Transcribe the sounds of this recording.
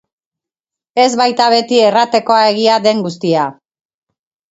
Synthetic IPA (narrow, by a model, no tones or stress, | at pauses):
e̞zβajt̪aβe̞t̪ie̞rat̪e̞ko̞ae̞ɣ̞iaðe̞ŋɡust̪ia